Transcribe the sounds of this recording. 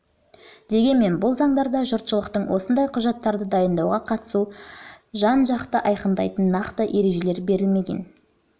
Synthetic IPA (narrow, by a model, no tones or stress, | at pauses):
d̪̥e̞ɡʲe̞nme̞nbʊlˠzɑɴd̪ɑɾd̪ɑʒʊɾt̪ʃəlˠəqt̪əɴwʔo̞sənd̪ɑjqʰʊʒɑt̪ːɑɾd̪əd̪ɑjənd̪ɑwʁɑqʰɑt̪ə̥su | ʒɑnʒɑqt̪əʔɑjqənd̪ɑ̰jt̪ənːɑqt̪əʔe̞ɾe̞ʒe̞le̞ɾbe̞ɾɪlme̞ɡʲe̞̰n